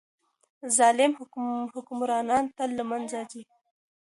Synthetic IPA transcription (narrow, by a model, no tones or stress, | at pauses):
zɑlɪmhhʊkʊmɾɑnɑnt̪alːəmanzad͡ʒi